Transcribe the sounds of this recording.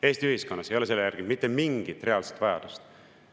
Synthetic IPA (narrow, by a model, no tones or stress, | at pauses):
e̞ːst̪iyhisko̞nːɑse̞jo̞le̞se̞lːejæɾɡ̥imit̪ːe̞miŋɡ̥it̪ːˑre̞ɑlse̥t̪ːvɑjɑ̰d̪̥ust̪